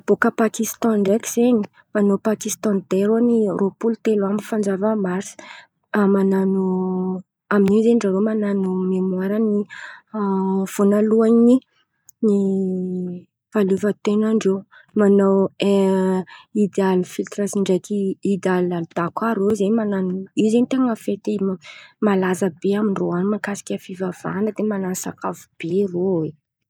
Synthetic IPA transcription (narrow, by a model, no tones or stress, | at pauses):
b̥okəpakist̪ɔ̃ɖ͡ʐeki̥z̥eɲi̥ | manopakist̪ɔ̃nd̪eɾonirʔopult̪elamifand͡ʒavəmasi̥ | mananu | aminizenɖ͡ʐaɾomananumemwaɾani | v̥onaluaɲi | ni | v̥aluvət̪enaɳɖ͡ʐo | manawe | id̪alufilt̪ɾasiɳɖ͡ʐajk̪iid̪alalud̪̥akaɾozeɲmananizenit̪eŋəfet̪imalazəbeamiɳɖ͡ʐoanimakasi̥kʲafivav̥a̰nəd̪emanasakavub̥erowe